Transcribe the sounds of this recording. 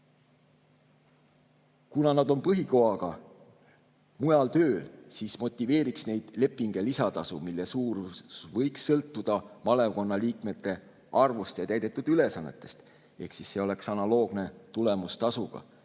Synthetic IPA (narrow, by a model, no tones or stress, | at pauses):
kunɑnɑd̪̥o̞npɤɦiko̞ɑɡ̥ɑ | mujɑlt̪ø̞ːlsismo̞t̪ʲːˑive̞ːɾiksne̞jd̪̥le̞pːˑiŋɡ̥e̞lisɑt̪ɑsumilːe̞suːrusvɤ̞jksːɤlt̪ːˑud̪̥ɑmɑle̞ko̞nːɑliːkme̞t̪ːˑe̞ | ʔɑrvust̪jɑt̪æjd̪e̞t̪ːˑud̪̥yle̞sɑnːe̞̰t̪ːˑe̞̥st̪ | e̞̰hksisːe̞o̞le̞ksɑnɑlo̞ːɡ̥ne̞t̪ule̞must̪ɑsuɡ̥ɑ̰